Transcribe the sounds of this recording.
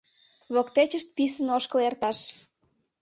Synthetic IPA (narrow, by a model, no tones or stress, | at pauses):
βokt̪et͡ɕəʃt̪̚pis̬ənoʃkəlert̪ɑʃ